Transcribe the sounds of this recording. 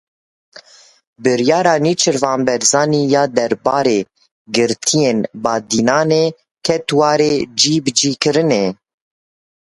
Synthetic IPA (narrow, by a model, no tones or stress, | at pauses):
bɨɾjɑːɾɑːniːt͡ʃʰɨɾvɑːmbɛɾzɑːniːjɑːd̪ɛɾbɑːɾeː | ɡɨɾt̪ʰijeːnbɑːd̪iːnɑːneː | kʰɛt̪wɑːɾeːd͡ʒiːbɨd͡ʒiːkɨɾɨneː